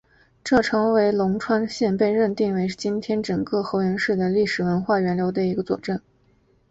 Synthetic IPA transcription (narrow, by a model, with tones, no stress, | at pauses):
ʈ͡ʂɤ˥˩ʈ͡ʂʰɤ˧˥ŋwe˧˥ɪlʊ˧˥ŋʈ͡ʂʰwa˥nɕjɛ˥˧npe˥˧ɪɻə˥˧nt̪i˥˩ŋwe˧˥ɪ˥˩t͡ɕi˥nt̪ʰjɛ˥nʈ͡ʂɤ˨˩ŋkɤ˥˩xɤ˧˥ɥɛ˧˥nʂɻ̩˥˩d̪ə˩li˥˩ʂɻ̩˨˩wə˧˥nxwa˥˩ɥɛ˧˥nljo˧˥ʊd̪ə˧i˧˥ɡə˧t͡swɔ̰˨˩ʈ͡ʂə˥˩n